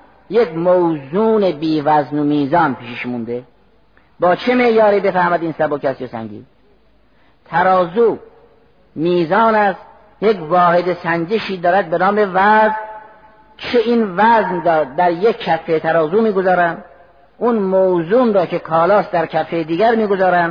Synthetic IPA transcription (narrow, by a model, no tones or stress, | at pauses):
jekmowzuːnebiːvæznomiːzɒːnpʰiːʃiʃmund̪e̞ | bɒːt͡ʃʰeme̞ʔjɒːɾiːbe̞fæhmæd̪iːnsæbokæst̪jesæ̰ŋɟḭː | t̪ʰæɾɒːzuː | miːzɒːnæst̪ | jekvɒːhe̞d̪esænd͡ʒeʃiːd̪ɒːɾæd̪̚benɒːme̞væzn | t͡ʃʰeiːnvæznɾɒːd̪æɾjekːʰæfːet̪ʰæɾɒːzuːmiːɡozɒːɾænd̪ | ʔunmowzunɾɒːcʰe̞kʰɒːlɒːsd̪æɾkʰæfejd̪iːɡæɾmiːɡozɒːɾænd̪